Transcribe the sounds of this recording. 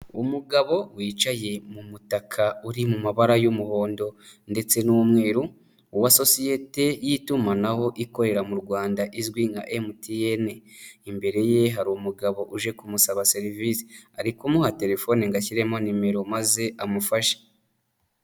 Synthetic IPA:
umuɡaβo̞wiːt͡ʃaje̞mumutakʰauɾimumaβaɾajumuho̞ːndo̞nde̞t͡se̞nuwumŋe̞ːɾu | uwaso̞sije̞te̞jitumanaho̞ʔiko̞ɾe̞ɾamuɾɡwaːndaʔizɡwiŋɡa̰ʔemutieneimbe̞ɾe̞je̞ɦaɾumuɡaβo̞ʔuʒe̞kumusaβaseɾivisi̥aɾikumuhate̞ɾe̞fo̞niŋɡaciɾe̞manime̞ɾo̞maze̞ʔamufaʃe̥

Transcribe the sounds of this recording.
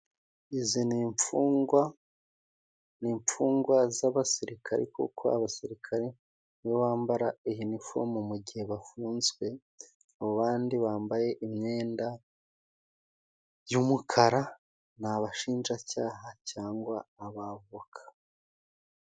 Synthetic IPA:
iziniɱfuːwa | niːɱp͡fuːŋɡwazaβasiɾikʰa̰ɾḛkṵkʰoa̰βasiɾikʰaɾe | niβoβaːmbaɾaiɦinifo̰mumuɟiheβafuːnzɡwe̞ | aβoβaːndiβaːmbaje̞ʔimɲe̞ːnda | jumukʰaɾa | naβaʃiːnʒacaːɦacaːŋɡwaːβaβokʰḁ

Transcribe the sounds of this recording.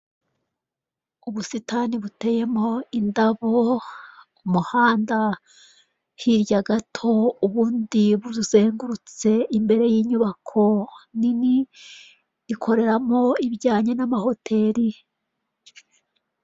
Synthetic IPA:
uβusitaːniβute̞je̞mo̞indaβo | umuhaːnda | hiɾjaɡatʰo̞uβuːndiβuuzeːŋɡuɾut͡se̞imbe̞ɾe̞jiːɲuβakʰo̞nini | ɾikʰo̞ɾe̞ɾamo̞iβjaːɲenamaho̞tʰe̞ːɾi

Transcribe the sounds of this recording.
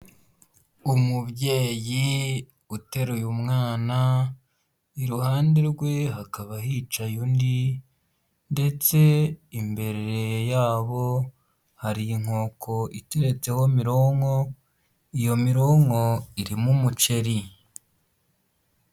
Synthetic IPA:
umubje̞ːji | ute̞ɾujumŋaːna | iɾuhaːndeɾɡwe̞ɦakaβahiːt͡ʃajundi | nde̞t͡se̞imbe̞ɾeɾejaːβo̞ | haɾiŋ̥ho̞ːkʰo̞ʔite̞ɾet͡se̞ho̞miɾo̞ŋo̞ | ijo̞miɾo̞ŋo̞iɾimumut͡ʃe̞ɾi

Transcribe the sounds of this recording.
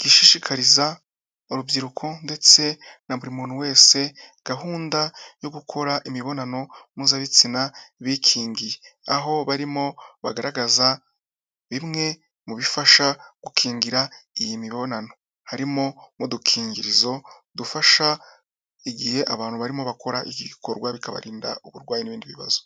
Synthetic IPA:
ɡ̥iʃiʃikʰaɾiza | uɾuvɟiɾukʰo̞nde̞t͡se̞ | naβuɾimuːn̤̥uwe̞ːse̞ɡ̥aɦuːndajo̞ɡukʰo̞ɾaʔimiβo̞nano̞muzaβit͡sinaβikʰiːŋɡijeaɦo̞βaɾimo̞βa̰ɡaɾaɡaza | βimŋe̞ | muβifaʃaɡ̥ukʰiːŋɡiɾaijimiβo̞nano̞ | haɾimo̞mudukʰiːŋɡiɾizo̞dufaʃa | iɡihe̞ʔaβaːn̥huβaɾimo̞βako̞ɾaʔiɡiɡikʰo̞ɾɡwaβikaβa̰ɾiːnda̰uβuɾɡwaːjeniβiːndiβiβa̰zo

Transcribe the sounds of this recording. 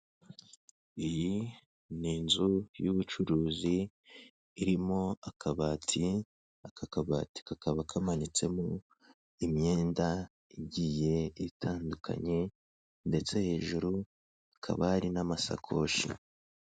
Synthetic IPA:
iji | niːnzujuβut͡ʃuɾuːziː | ɾimoakʰaβaːtʰi | akakaβa̰ːti̥kakaβakʰamanit͡se̞mo | imɲe̞ːnda | iɟije̞itʰaːndukʰa̰ɲe̞ | nde̞t͡se̞he̞ːʒuɾu | akʰa̰βaɾinamasa̰kʰo̞̰ːʃḭ

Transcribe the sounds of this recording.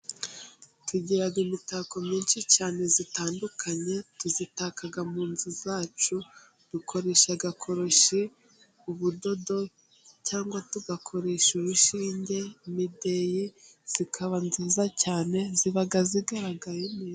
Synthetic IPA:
tʰuɟiɾaɡimitaːko̞mɲiːnʃicaːne̞zitaːndukʰaɲe̞tuzitakaɡamuːnzizaːt͡ʃu | βikʰo̞ɾe̞ʃaɡakʰo̞ɾo̞ʃi | uβudo̞do̞ | caːŋɡwatuɡakʰo̞ɾe̞ʃuβuʃiːɲɟe̞imide̞jiz̥ikʰaβanziːzacaːne̞ziβaɡaziɡaɾaɡajemiː

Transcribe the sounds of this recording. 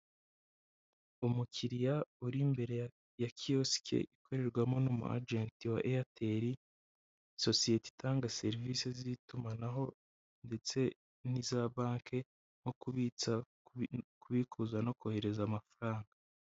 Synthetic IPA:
umucʰiɾijauɾimbe̞ɾe̞ | jakʰijosi̥kḛʔikʰo̞ɾe̞ɾɡwamonomṵʔa̰d͡ʒeːntiwa̰ʔeatʰeɾi | so̞sije̞ti̥tʰaːŋɡase̞ɾvise̞zitumanaɦo̞ | nde̞t͡se̞ | n̥izaβaːŋkʰe̞ | ŋ̥okuβit͡sa | kuβikʰuzwano̞kohe̞ɾe̞zamafaɾaːŋɡa

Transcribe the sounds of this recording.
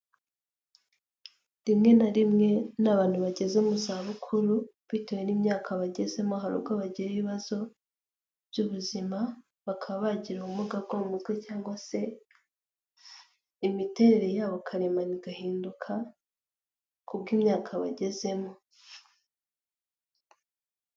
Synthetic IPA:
dimŋe̞naɾimŋe̞naβaːn̥huβaɟe̞ze̞muzaːβukʰuɾu | βitewe̞niːmɲaːkʰaβaɟe̞ze̞mo̞ɦaɾṵbɡaβaɟiɾeβiβazo̞ | bɟuβuzima | βakʰaβaβaɟiɾaumuɡab̚ɡomumuzɡwecaːŋɡwase̞ | imite̞ɾe̞ɾe̞jaːβo̞kʰaɾe̞maniɡahiːndukʰa | kubɡiːmɲaːkʰaβa̰ɟe̞ze̞mo̞

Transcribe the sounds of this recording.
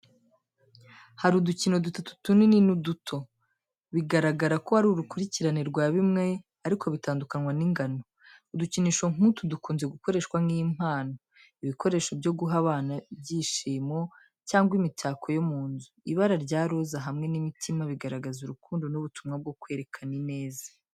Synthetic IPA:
haɾuducino̞dutotu̥tunininudutʰo̞ | βiɡaɾaɡaɾako̞haɾuɾukuɾiciɾaniɾɡwaːβimŋe̞ | aɾikʰo̞βitaːndukanŋwaniŋɡano̞ | uduciniːʃo̞ŋ̥utudukuːnzeɡuko̞ɾe̞ːʃkwaŋijim̥haːno̞ | iβiko̞ɾe̞ːʃo̞bjo̞ɡuɦaβaːnabɟiːʃiːmo̞ | caːŋɡwimitʰaːkʰo̞jomuːnzuiβaɾaɾɟaːɾozaɦamŋe̞nimitʰimaβiɡaɾaɡazuɾukuːndo̞nuβutumŋab̚ɡo̞kwe̞ːɾe̞kʰanine̞ːzḁ

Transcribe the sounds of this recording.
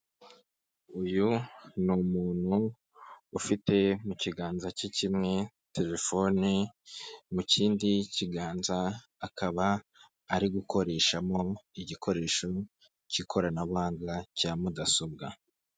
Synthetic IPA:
ujunumuːn̥huː | fite̞muciɡaːnzacicimŋe̞ | te̞ɾe̞fo̞ni | muciːndiciɡaːnzaː | kaβaː | ɾiɡukʰo̞ɾe̞ːʃamo̞iɟikʰo̞ɾe̞ːʃo̞ | cikʰo̞ɾanaβaːŋɡacaːmudaso̞b̚ɡa

